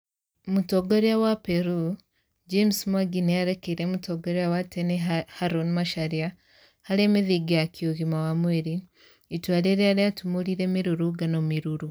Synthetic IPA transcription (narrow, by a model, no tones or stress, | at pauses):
mutoɡoɾiawapeɾu | d͡ʒemsmaɡineaɾekeɾemutoɡoɾijawatenehaɾonimaʃaɾia | haɾeːmiðiɡiakioɣimawamweɾiː | twaːleɾeaɾiatumuɾiɾeːmiɾuɾuɡanomiɾuɾu